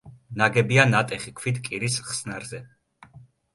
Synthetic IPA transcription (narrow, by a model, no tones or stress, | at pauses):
naɡɛbianat̪ʼɛχikʰwit̪kʼiɾisχsnaɾzɛ